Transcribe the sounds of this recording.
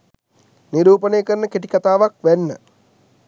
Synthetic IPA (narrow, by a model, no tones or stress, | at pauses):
niɾuːpənejkəɾnəkeʈ̬i̥kat̪aːʋakʋænːə̰